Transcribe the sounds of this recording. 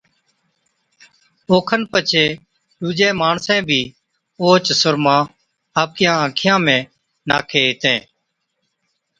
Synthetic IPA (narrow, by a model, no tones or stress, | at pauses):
oːkʰənpət͡ʃʰeː | ɗuːd͡ʒẽːmaːɳsɛ̃ːbʱiː | oːt͡ʃsʊɾmãː | aːp̚kɪjãːãːkʰɪjãːmẽː | na̰ːkʰeːɦɪt̪ẽː